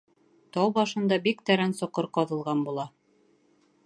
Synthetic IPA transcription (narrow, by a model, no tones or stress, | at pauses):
t̪ɑwbɑʃɤ̆nd̪ɑbikt̪æɾænsŏqɤɾqɑðɤ̆lˠʁɑnbulˠɑ